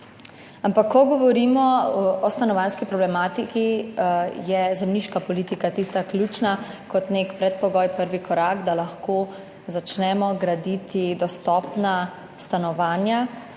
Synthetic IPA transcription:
ampakʰːɔɡɔʋɔɾiːmɔɔst̪anɔʋanskipɾɔblɛmaːt̪iki | jɛzɛmniːʃkapɔliːt̪ikat̪ist̪aklʲjuːt͡ʃnakɔt̪nekpɾɛt̪̚pɔɡɔːjpəɾʋikʰɔɾaːɡd̪alaxkoː | zat͡ʃnɛmɔɡɾad̪it̪id̪ɔst̪ɔpna | st̪anɔʋaːnja

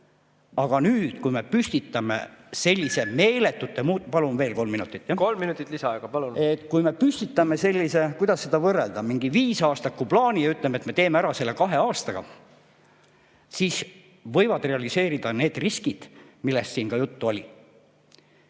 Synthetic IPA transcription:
ɑɡ̥ɑnyːd̪̥kujme̞pysʲt̪it̪ːˑɑme̞̰se̞lʲːise̞me̞ːle̞t̪ːˑut̪ˑːemuːt̪ːpɑlunve̞ːlko̞lmːinut̪ːˑit̪ˑːjɑkolmːinut̪ːˑit̪lisɑɑeɡ̥ɑpɑlunet̪ːˑkujme̞pysʲt̪it̪ːˑɑme̞se̞lʲːise̞kujd̪̥ɑsse̞d̪̥ɑvɤreld̪̥ɑmiŋɡiviːsɑːst̪ɑkːuplɑːnijɑyt̪ːˑlemet̪me̞t̪e̞ːmeæɾɑse̞lːe̞kɑɦe̞ɑːst̪ɑɡ̥ɑ̰ | siːs | vɤ̞jvɑd̪̥re̞ɑlise̞ːɾid̪̥ɑne̞ːd̪̥riskid̪̥milːest̪siːnkɑjut̪ːuo̞lʲi

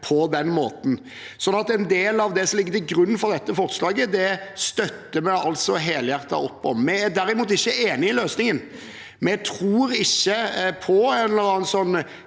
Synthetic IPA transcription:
pʰɔd̪ɛnːmoːt̪n̩ | sɔnːɑt̪ɛnd̪eːlɑʋd̪ɛsɔmlɪɡːət̪ɪɡɾʉnːnfɔʁd̪ɛt̪ːəfɔɾt̪slɑːɡəd̪ɛst̪œt̪ːəmɛɑlt̪sɔɦeːljæɾt̪ɑ̰ɾɔpːɔ̰mmɛæd̪æɾɪmuːt̪ɪçːəeːnɪɪløːsnɪŋən | mt̪ʰɾuːɾɪçːəpʰɔɛnɑlɑːnsɔnː

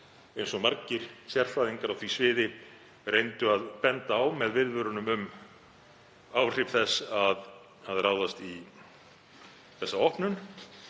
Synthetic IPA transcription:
ejnsɔmaɾcɪɾ̥sjɛr̥faðiŋkaɾawθvisvɪːðɪ | rejnt̪ʏaðpɛnt̪aːwmɛðvɪðvʏɾʏnʏmʏm | awr̥ɪpθɛsːað | aðraːwðast̪i | θɛsːaɔhpnʏn

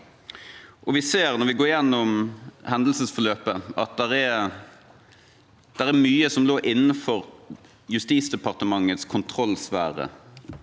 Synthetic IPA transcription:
ʔɔʋɪseːʁnɔɾʋɪɡoːɾɪjɛnːɔmhɛnd̪l̩səsfɔløːpəɑt̪̚d̪ɛɾɛɾ | d̪̥ɛɾæɾmyːəsɔmloːɾʔɪnːəfɔɾ | jʉst̪iːsd̪ɛpɑʁt̪əmɑŋːət̪skʰʊnt̪ʰɾɔlsʋæːɾə̰

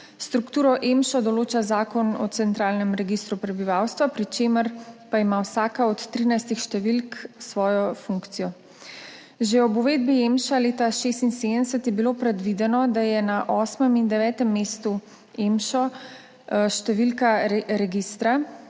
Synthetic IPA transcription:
st̪ɾukt̪uːɾɔʔemʃɔd̪ɔloːt͡ʃazaːkɔnɔ̰t̪sɛnt̪ɾaːlnɛmɾɛɡist̪ɾupɾɛbiʋawst̪ʋapɾit͡ʃeːməɾpaimawsaːkaɔt̪ːɾiːnajst̪ixʃt̪ɛʋilksʋɔːjɔfuŋkt̪sijɔ | ʒeɔbuʋeːd̪̚bijemʃaleːt̪aʃeːst̪inseːd̪ənɛsət̪jɛbilopɾɛd̪ʋid̪ɛnɔd̪ajɛnaʔɔːsmɛmind̪ɛʋɛːt̪ɛmːeːst̪u | emʃɔ | ʃt̪ɛʋilkaɾɛɡist̪ɾa

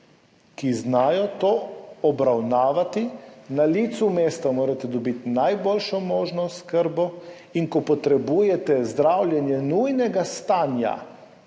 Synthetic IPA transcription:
kiznaːjɔt̪oːɔbɾawnaːʋat̪inaliːt̪sumeːst̪amoːɾat̪ɛd̪ɔbit̪inajboːlʃɔmoːʒnɔskəɾbɔ | iŋkɔpɔt̪ɾɛbuːjɛt̪ɛzd̪ɾawljɛnjɛnujnɛɡast̪aːnja̰

